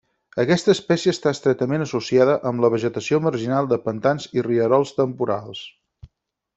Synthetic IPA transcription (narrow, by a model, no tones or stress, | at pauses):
əkɛst̪əːspɛsiəst̪aəst̪ɾɛt̪əmenəsusiaðəʔəmləβ̞əʒət̪əsioməɾʒinalˠd̪əpənt̪anziriəɾɔlˠst̪əmpuɾa̰lˠs